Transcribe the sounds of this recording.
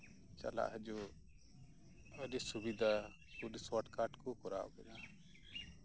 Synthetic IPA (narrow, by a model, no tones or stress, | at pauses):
t͡ʃa̰la̰ʔɦɛd͡ʒu | ədɛsubid̪ʱa | puliswaʈkaʈkɔkɔɾa̰ʔɔ̰kɛna